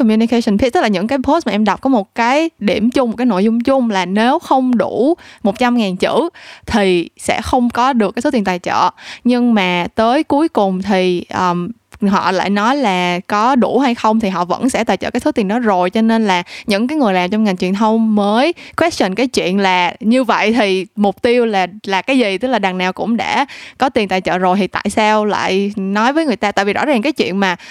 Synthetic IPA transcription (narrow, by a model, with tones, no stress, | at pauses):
kɔ˨˩mju˧ni˧kə˧jsə˧˩npʰt̪̚laː˨˩ɲɨ̰˧˥ŋkaː˨˦jpʰo˦˥st̚maː˨ʔɛ˧mɗa˨˩wk͡p̚kɔ˨˦mo˨˩t̚kaː˨˦jɗi˧˩əmt͡ɕʊ˧ŋ͡mm̚˨˩kaː˨˦jno̰˧˨jzʊ˧ŋ͡mt͡ɕʊ˧ŋ͡mlaː˨˩ne˨˦wxə˧wŋ͡mɗu˧˩mo˨˩t̚t͡ɕa˧mŋaː˨˩nt͡ɕɨ̰˧˥t̪ʰi˨˩sɛ̰˧˥xə˧wŋ͡mkɔ˨˦ɗɨ˨˩kaː˨˦jso˦t̪i˨˩ə˩nt̪aː˨˩jt͡ɕə̰ː˧˨ɲɨ˧ŋmaː˨˩t̪əː˨˦jku˨˦əjkʊ˨˩ŋ͡mt̪ʰi˨˩ʔəː˨˩m | ɦɔ̰˧˨la̰ː˧˨jnɔ˨˦jlaː˨˩kɔ˨˦ɗu˧˩ha˧jxə˧wŋ͡mt̪ʰi˨˩ɦɔ̰˧˨və̰˧˥nsɛ̰˧˥˩t̪aː˨˩t͡ɕə̰ː˧˩kːjso˨˦t̪i˨˩ənɔ˨˦zo˨˩jt͡ɕɔ˧ne˧nlaː˨˩ɲɨ̰˧˥ŋkaː˨˦jŋɨ˨˩əjlaː˨˩mt͡ɕwŋ͡mŋa˨˩ŋt͡ɕwi˧˨ənt̪ʰə˧wŋ͡mməː˨˦jkʰwɛ˦˥s̚t͡ɕə˨˩nkaː˨˦jt͡ɕwḭ˧˨ənlaː˨˩ɲɨ˧və̰˧˨jt̪ʰi˨˩mʊ˨˩k͡p̚t̪i˧əwlaː˨˩laː˨˩kaː˨˦jzi˨˩t̪ɨ˦˥k̚laː˨˩ɗa˨˩ŋnaː˨˩wkʊ̰˧˥ŋ͡mɗa̰ː˧˥kɔ˨˦t̪i˨˩nt̪aː˨˩jt͡ɕə̰ː˧˨zo˨˩jt̪ʰi˨˩t̪a̰ː˧˨jsaː˧wla̰ː˧˨jnɔ˨˦jvəː˨˦jŋɨ˨˩əjt̪aː˧t̪a̰ː˧˨jvi˨˩zɔ̰˧˥zaː˨˩ŋkaː˨˦jt͡ɕwḭ˧˨ənmaː˨˩